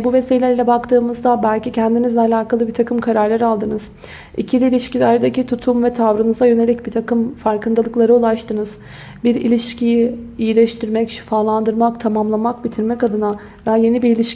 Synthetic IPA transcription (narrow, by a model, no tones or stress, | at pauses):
buve̞siːlʲɛɾilʲɛbakt̪ʰɯːmɯzd̪abælʲcicʰænd̪inizlʲɛalʲaːkʰalˠɯbit̪ʰakʰɯmkʰaɾaɾlʲaɾialˠd̪ɯnɯz̥ | icʰilʲiːlʲiʃcilʲæɾd̪ecit̪ʰut̪ʰumvɛt̪ʰavɾɯnɯzajø̞ne̞lʲic̚bit̪ʰakɯmfaɾkʰɯnd̪alˠɯklˠaɾɯulˠaʃt̪ʰɯnɯz̥ | biɾilʲiʃcʰijiijilʲɛʃt̪ʰiɾmɛcʃi̥faːlˠand̪ɯɾmakt̪ʰamamlˠamakbit̪ʰiɾmɛcad̪ɯna | vɛje̞nibiɾilʲiʃ